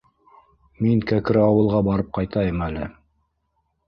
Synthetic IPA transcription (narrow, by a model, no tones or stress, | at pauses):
miŋkækɘɾɑwɤ̆lˠʁɑbɑɾɤp̚qɑjt̪ɑjɤmælɘ̰